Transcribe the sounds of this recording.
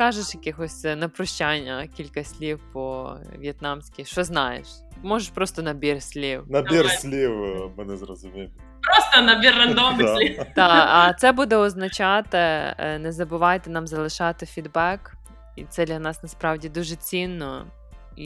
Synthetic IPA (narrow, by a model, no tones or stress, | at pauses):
kɑʒeʃjɐkɪxɔsʲnɐpɾɔʃt͡ʃanʲːɐkʲilʲkɐsʲlʲiwpɔʋʲijɛt̪nɑmsʲkʲiʃt͡ʃɔznɑjḛʃ | mɔʒeʃpɾɔst̪ɔnɐbʲirsʲlʲiwnɐbʲiɾsʲlʲiwmɪnɪzɾɔzʊmʲim | pɾɔst̪ɔnɐbʲirːɐnd̪ɔmlʲit̪ɑɐt̪sɛbud̪ɛɔznɐt͡ʃɑt̪ɪnɛzɐbʊʋɑjt̪ɛnɑmzɐlˠɪʃɑt̪ɪfʲid̪bɛk | it̪sɛd̪lʲɐnɑsnɐspɾɑwdʲid̪uʒet͡sʲinːɔ | i